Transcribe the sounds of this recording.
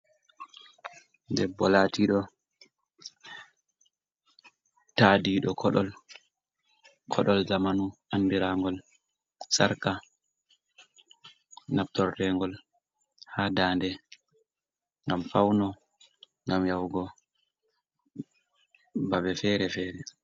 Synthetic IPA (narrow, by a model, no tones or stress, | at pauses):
ndɛbɔlatiɗɔ | taːdiɗɔkʰɔɗɔl | kʰɔɗɔlzamanuʔandiɾaŋɡɔl | saɾka | nap̚tɔɾːɛŋɡɔl | hadaːndɛ | ŋɡamfawnɔ | ŋɡamjawɡɔ | babɛfɛɾɛfɛːɾɛ